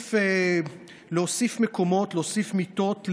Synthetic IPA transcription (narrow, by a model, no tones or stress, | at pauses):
e | leosifmeko̞mo̞tleosifmit̪o̞tl